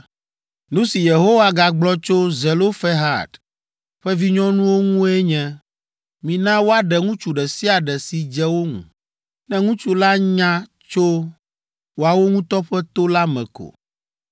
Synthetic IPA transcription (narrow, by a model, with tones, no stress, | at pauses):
nũ˦si˨je˨ɦo˦wa˦ɡa˨ɡ͡blɔ˦t͡ʃo˦zɛ˨lo˦fɛ˦ɦa̰˨d | ɸɛ˦vi˦ɲɔ̃˦nũ˦wo˦ŋũ˦ɛ˦ɲɛ̃˦ | mĩ˨nã˦wo˦a˦ɖɛ˨ŋũ˦t͡ʃu˨ɖɛ˨si˦a˨ɖɛ˨si˨d͡ʒɛ˦wo˦ŋṵ̃˨ | nɛ̃˦ŋũ˦t͡ʃu˦la˦ɲã˦ | t͡ʃo˦ | wo˨a˨wo˦ŋũ˦t̪ɔ˦ɸɛ˦t̪o˦la˦mɛ̰̃˨ko̰˨